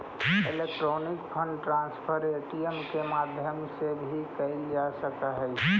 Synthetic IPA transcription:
elek̚ʈɾonikpʰəɳɖʈɾãnspʰəɾeʈiəmkemad̪ʱjəmsebʱikəɪld͡ʒasəkəɦəj

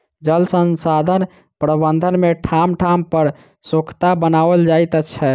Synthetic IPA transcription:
d͡ʒəlsənsad̪ʱən | pɾəbənd̪ʱənmeʈʰamʈʰampəɾ | sokʰt̪abənabəld͡ʒajt̪ətːt͡ʃʰɛ

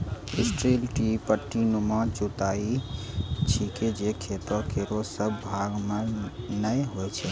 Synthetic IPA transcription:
isʈɾelʈipəʈːinumɔt͡ʃut̪ai | t͡ʃʰiked͡ʒekʰet̪əkeɾosəbːʱaɡmenəjɦojt͡ʃʰɛ

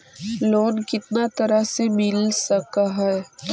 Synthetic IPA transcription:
loːnkɪt̪nat̪ɐɾəɦsemɪlsɐkaɦɛɛ

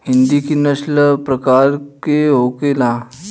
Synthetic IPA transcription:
hind̪ikinəɕləpɾəkaɾkeɦokela

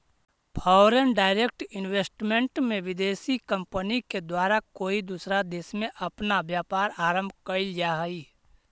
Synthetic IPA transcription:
pʰaːʊɾənɖaːɪɾek̚ʈɪnweːsʈmẽɳʈmẽʋɪd̪eːsikə̃mpəniked̪waːɾakoːid̪uːsɾad̪eːsmẽʔɐpnaʋjaːpaːɾaːɾə̃mbʱkəid͡ʒaɦiː

